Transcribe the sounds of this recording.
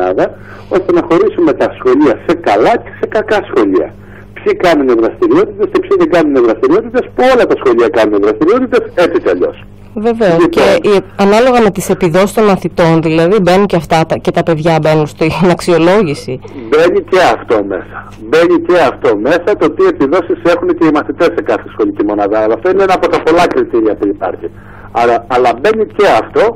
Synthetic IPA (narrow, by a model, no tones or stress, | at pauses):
nɐ̰ðɐ | o̞st̪e̞nɐxo̞ɾisume̞t̪ɐsxo̞ʎiɐse̞kɐlɐce̥se̞kɐkɐsxo̞ʎiɐ̰ | psikɐnuneðɾɐst̪iɾio̞t̪it̪e̞scepsiðeɡɐnuneðɾɐst̪iɾio̞t̪it̪e̞spuo̞lɐt̪ɐsxo̞ʎiɐkɐnuneðɾɐst̪iɾio̞t̪it̪e̞se̞t͡siceɐ̰ʎo̞̰s | ve̞ve̞osceiɐnɐlo̞ɣɐme̞t̪ise̞piðo̞sist̪o̞nmɐθit̪o̞nðilɐðibe̞nunceɐft̪ɐt̪ɐce̞t̪ɐpe̞ðʝɐbe̞nunst̪inɐksio̞lo̞ʝisibe̞nice̞ɐft̪o̞me̞̰sɐ̥ | be̞nice̞ɐft̪o̞me̞sɐt̪ot̪ie̞piðo̞sise̞xunece̞imɐθit̪e̞sekɐθesxo̞licimo̞nɐðɐɐlɐft̪oineenɐːpo̞t̪ɐpo̞lɐkɾit̪iɾiɐpuipɐ̰ɾçi | ɐɾɐːlɐbe̞nice̞ɐft̪o̞